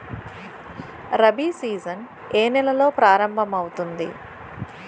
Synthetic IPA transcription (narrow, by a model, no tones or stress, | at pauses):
ɾɐbisiːzɐn | eːnɛlɐlo̞ːpɾaːɾɐmbʱɐmɐwut̪und̪ḭ